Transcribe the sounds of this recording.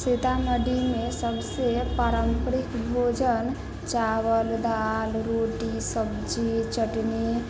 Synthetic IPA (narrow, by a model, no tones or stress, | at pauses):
set̪anəɖimesəbsepaɾəmpəɾikbʱod͡ʒən | t͡ʃaʋəld̪alɾoʈisəbd͡ʒit͡ʃəʈni